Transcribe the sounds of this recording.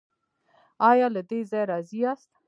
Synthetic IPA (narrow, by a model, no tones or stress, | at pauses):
ɑjɑlad̪ezɑjɾɑziɑst̪